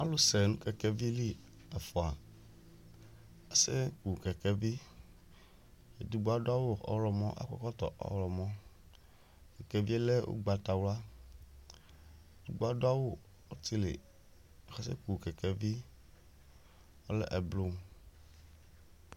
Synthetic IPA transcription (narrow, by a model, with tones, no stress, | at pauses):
a˦lo˦se˨nũ˦kɛ˨kɛ˦vi˦li˦ | ɛ˨fɔ˨a˨ | e˦se˦ku˨kɛ˨kɛ˦vi˦ | e˨d̪u˦ɡ͡bo˦a˦do˦a˦wo˦ɔ̰˦lɔ˨mɔ̃˦ʔa̰˦kɔ̰˦kɔ˦t̪ɔ̰˨ʔɔ̰˦lɔ˨mɔ̃˦ | ke˨ke˦vi˦e˦le˦wo̰˦ɡ͡ba˨t̪a˨wla˦˨ | d̪u˦ɡ͡bo˦a˦do˦a˦wo˦ | o˦t̪i˦lḛ˨ | e˨xɛ˦sḛ˦ku˨kɛ˨ke˦vi˦ | wo˦lɛ̰˦˨ʔɛ˨blo˦m˦